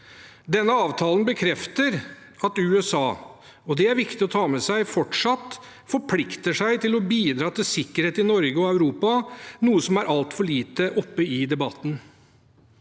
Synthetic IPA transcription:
d̪ɛnːəɑːʋt̪ʰɑːlənbəkʰɾɛft̪əɾ | ɑt̪ʉːɛsɑː | ɔd̪ɛæɾʋɪkt̪ɪɔt̪ʰɑːmɛsæɪfɔʈʂɑt̪ | fɔɾpʰlɪkt̪əʂæɪt̪ɪlɔbiːd̪ɾɑːt̪ɪlsɪkːəɾheːt̪ɪnɔɾɡəɔæʉɾuːpɑnuːəsɔmæɾʔɑlt̪fɔɭiːt̪əʔɔpːəɪd̪ɛbɑt̪ːn̩

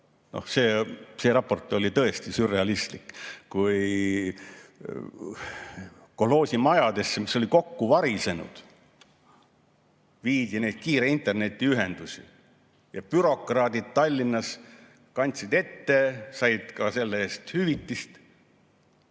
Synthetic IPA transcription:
no̞̰hse̞ːseːɾɑpːo̞rt̪ːˑo̞lʲit̪ɤe̞st̪isyre̞ɑlist̪likkuj | kohlo̞ːsimɑjɑd̪̥e̞sːemiso̞lʲiko̞kːuvɑɾise̞nṵd̪̥ | viːd̪̥ʲine̞jd̪̥̚kiːɾeint̪ˑe̞rne̞t̪ʲːˑiyɦe̞nd̪̥usʲḭ | jɑpyɾo̞krɑːd̪̥id̪̥̚t̪ɑlʲːinːɑs | kɑnʲt̪sid̪e̞t̪ːe̞sɑjd̪̥kɑse̞lːeeːst̪hyvit̪ːist̪

